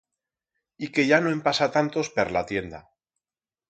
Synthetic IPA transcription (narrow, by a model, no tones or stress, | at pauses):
ike̞ʝanoempasat̪ant̪o̞speɾlat̪je̞nd̪a̰